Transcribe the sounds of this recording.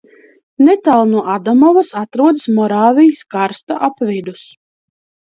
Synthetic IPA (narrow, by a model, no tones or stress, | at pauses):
net̪alˠnuɔʔad̪amɔvasat̪ɾuɔd̪smɔɾaːvʲijiskaɾst̪aʔapvid̪us